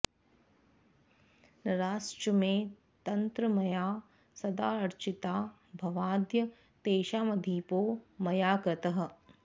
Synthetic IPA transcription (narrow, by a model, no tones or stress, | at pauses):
nɐɾaːst͡ʃəmẽː | t̪ɐnt̪ɾəmɐjaː | sɐd̪aːɐɾt͡ʃit̪aː | bʱɐʋaːd̪jɐ | t̪eːʃaːmɐd̪ʱiːpoːmɐjaːkɾɪt̪ɐɦɐ̆